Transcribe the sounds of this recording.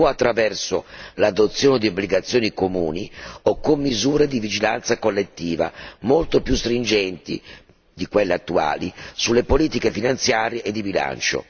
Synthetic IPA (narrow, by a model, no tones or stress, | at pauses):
ɔat̪ːɾavɛrsolad̪ot̪sːjoːned̪iobːliɡat̪sːjoːnikomuːniokːomːizuːɾed̪ivid͡ʒila̰nt̪sakolːet̪ːiːva̰molt̪opjust̪ɾind͡ʒɛnt̪ḭ | d̪ikwelːeat̪ːua̰ːlisulːepoliːt̪ikefinant̪sjaːɾjeʔːd̪ːibila̰nt͡ʃo̰